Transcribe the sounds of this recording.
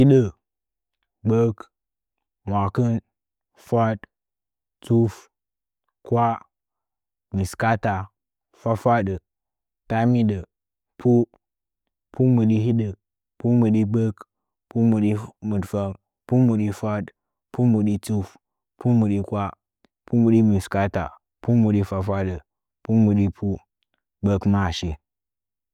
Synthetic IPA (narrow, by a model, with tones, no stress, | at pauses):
hi˦ɗə˨ | ɡ͡bə˦k | mʷa˨kə˦n | fʷa˦d | t͡su˦f | kwʷa˦ | mi˨ska˦ta˨ | fa˦fʷa˦ɗə˨ | ta˦mi˦ɗə˨ | pʰu˦ | pu˦mu˨ɗi˦ɦi˦ɗə˨ | pu˦mu˨ɗi˦bə˦k | pu˦mu˨ɗi˦mu˨dfa˦m | pu˦mu˨ɗi˦fa˦d | pu˦mu˨ɗi˦t͡su˦f | pu˦mu˨ɗi˦kwa˦ | pu˦mu˨ɗi˦mi˨ska˦ta̰˨ | pu˦mu˨ɗi˦fa˦fa˦ɗə˨ | pu˦mu˨ɗi˦pʰu˦ | bə˦kma˦˨ʃi˨